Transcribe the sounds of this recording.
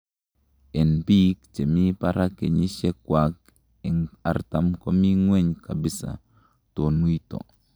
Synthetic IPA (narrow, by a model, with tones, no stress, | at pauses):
ʔɛ˨nbi˦kt͡ʃe˨mi˦paɾake˨ɲi˦ʃɛ˦kwak̚ | ɛ˨ŋa˨ɾtamko˦mi˦ŋwe˦ɲka˨bi˦sa̰˨ | to˨nu˦jto̰˨